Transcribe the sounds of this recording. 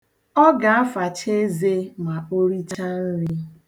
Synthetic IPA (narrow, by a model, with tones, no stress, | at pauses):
ɔ˦ɡa˨a˦fa˨t͡ʃe˦ze˦ma˨o˦ɾi˦t͡ʃa˦n̩˦ɾi˦